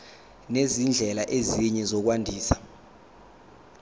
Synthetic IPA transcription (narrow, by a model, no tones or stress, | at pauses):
nezind͡ɮʱɛlaʔeziɲɛzɔk̬wandʱiːsḁ